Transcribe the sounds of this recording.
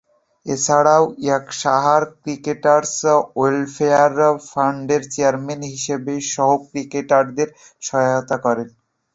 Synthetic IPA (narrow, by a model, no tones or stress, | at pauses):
et͡ɕʰaɽaoakʃaɦaɾkɾikeʈaɾselfeaɾfʰaɳɖeɾt͡ɕeaɾmenɦiʃebeʃɔɦokɾikeʈaɾd̪eɾ | ʃɔot̪akɔɾen